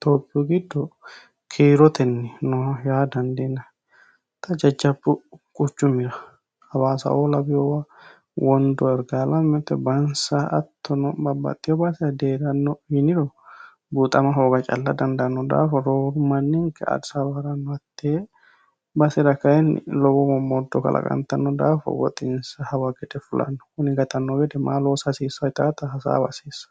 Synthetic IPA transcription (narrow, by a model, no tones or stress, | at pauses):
t̪oːpʼːɪɔɡɪd̪ːɔ | kʰiːɾɔt̪ɛnːɛnɔjaːd̪ɐnd̪ɛnɐ | t̪ɐd͡ʒɐd͡ʒːɐbːʊkʼʊt͡ʃːʊmɪɾɐ | ɐbaːsɐ̰ʔolɐbɪjɔwɐ | wɔnd̪ɔɛɾɡalɐmːɛt̪ːɛbɐnsɐɐ̰t̪ʰːɔnɔbɐbɐ̰t̪ʼːɪjɔbɐsɛɐd̪eːɾɐnːɔhɪnɪɾɔ | but̪ʼɐmɐɦoːɡɐt͡ʃʼɐlːɐd̪ɐnd̪ɐʔɐnːɔd̪a̰ːfɔɾoːɾʊmɐnːɪŋkɐɐ̰dsabɐɾɐnːɔɐt̪ːeː | bɐsɛd̪ɐkɐjɛnlɔbɔmɔmɔd̪ːɔkɐ̰lʔɐ̰kʼɐ̰nt̪ɐnːɔd̪aːfɔ̰wɔ̰t̪ʼɪnsɐhɐwɐɡɛd̪ɛfʊlɐ̰nːɔ̥kʊnɪɡɐt̪ɐnːɔɡɛd̪ɛmaːlosɐsiːsɐɪt̪aːt̪ɐhɐsa̰ːbɐsiːsɐ̥